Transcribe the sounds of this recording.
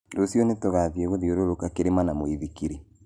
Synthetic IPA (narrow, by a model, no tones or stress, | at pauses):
dosjɔnetoɣaðjɛɣoðioɾoɾokakeɾemanamoiðikiɾi